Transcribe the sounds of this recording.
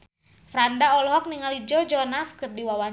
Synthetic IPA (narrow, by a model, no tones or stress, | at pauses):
fɾandaɔlɦɔk̚niŋalid͡ʒɔd͡ʒɔnaskɨrdiwawa